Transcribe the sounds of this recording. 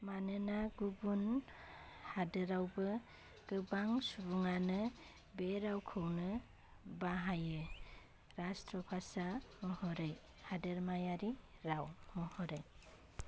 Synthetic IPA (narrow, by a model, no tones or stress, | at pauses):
manɯnaɡubun | hadɯɾawbɯ | ɡ̥ɯbaŋsubuŋanɯ | beɾawkʰɯwnɯ | baɦajɯ | ɾastɾɔpʰasamɔhɔɾaj | hadɯɾmajaɾiɾawmɔhɔɾaj